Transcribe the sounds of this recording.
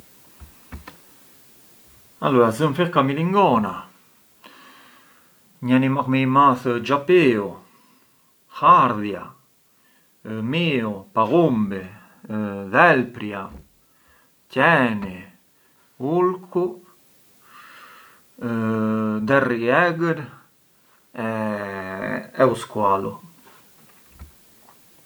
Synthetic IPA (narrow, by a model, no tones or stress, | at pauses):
a̰luazəmfeɾkamiliŋɡɔna | ɲanimakmejmaθd͡ʒapeːo | xaɾðja̰ | miopaɣumbe | ðɛlpɾja | cɛni | ulkʰu | d̪ɛriɛɡəɾ | ɛ | ɛuskwalo̰